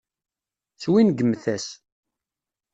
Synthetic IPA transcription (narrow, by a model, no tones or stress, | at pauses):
θwinɡəmːθæs